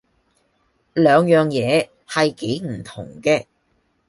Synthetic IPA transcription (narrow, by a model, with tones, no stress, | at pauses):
lœː˨˧ŋjœː˨ŋjɛː˨˧ | hɐ˨jke˨˥jm̩˨˩t̪ʰʊ̰˨˩ŋkɛː˧